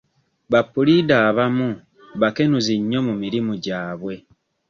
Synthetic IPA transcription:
βapːulidaːβamu | βake̞nuziɲːo̞mumiɾimuɟaːβwe̞

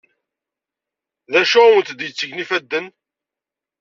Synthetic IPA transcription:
ðæʃʊwənt̪d̪jət͡sːəɡnifæd̪ːən

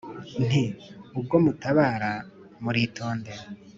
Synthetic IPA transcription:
n̥iub̚ɡo̞mutaβaːɾa | muɾitʰo̞ːnde̞ɾa

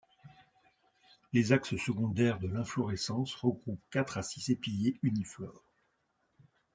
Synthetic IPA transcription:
lezakssəɡɔ̃d̪ɛʁd̪əlɛ̃flɔʁɛsɑ̃sʁəɡʁupkat̪χasisepiljeyniflɔːʁ

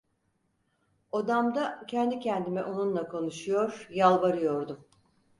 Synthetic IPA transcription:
od̪amd̪acʰɛnd̪icʰɛnd̪imɛʔo̞nunlˠakʰo̞nuʃujo̞ɾjalˠbaɾɯjo̞ɾd̪u

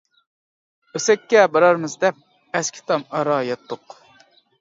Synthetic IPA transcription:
øsɛkʲːɛbɑɾɑɾmɨzd̪ɛp̚ | ɛskʲʰi̥t̪ʰɑmɑɾɑjɑt̪ːʊq

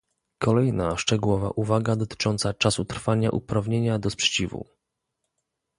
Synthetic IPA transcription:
kʰɔlɛjnaʂt͡ʂɛɡuwɔva̰ʔuvaɡad̪ɔt̪ɘ̥t͡ʂɔnt̪sat͡ʂasut̪ɾfaɲa̰ʔupɾavɲeɲad̪ɔspʂɛ̥t͡ɕivṵ

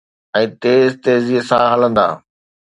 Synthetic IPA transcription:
ɛ̃ːt̪eːzt̪eːziɦsãɦɐlə̃nd̪a̰ː

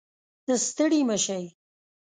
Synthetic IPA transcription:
d̪̥əst̪əɽiməʃaj

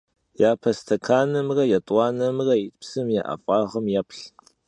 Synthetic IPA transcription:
jaːpʰɐstʰɐkʰaːnɐmrɐjɛtʼwɑːnɐmrɐjipsɨmja̰ʔɐ̰fʼɑːʁɐmjapɬ

